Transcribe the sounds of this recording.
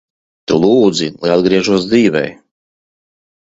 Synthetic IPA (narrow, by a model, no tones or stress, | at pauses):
t̪ulˠuːd̪zila̰jad̪ɡɾiɛʒuɔsd̪ziːvɛ̰j